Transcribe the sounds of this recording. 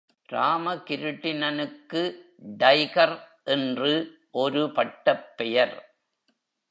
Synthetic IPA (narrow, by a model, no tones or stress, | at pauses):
ɾaːmɐkɪɾɯʈːɪnɐnɯkːɯ | ɖɐɪkɐɾʔɛndrɯ | ʔɔɾɯpɐʈːɐpːɛjɐɾ